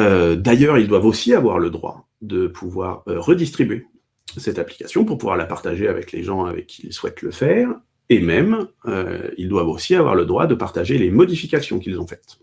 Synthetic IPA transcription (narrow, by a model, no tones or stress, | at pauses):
ød̪ajœʁild̪wavosiavwa̰ʁləd̪ʁwa̰ | d̪əpʰuvwaʁːəd̪ist̪χibɥe | sɛt̪apli̥kasjɔ̃puʁpuvwa̰ʁlapaʁt̪aʒeavɛklḛʒɑ̃avɛ̰kʲʰːiilswɛt̪ləfɛːʁ | emɛmø̰ḭld̪wavosiavwa̰ʁləd̪ʁwa̰d̪əpaʁt̪aʒelemɔd̪ifikʲasjɔ̃kilzɔ̃fɛ̥t̪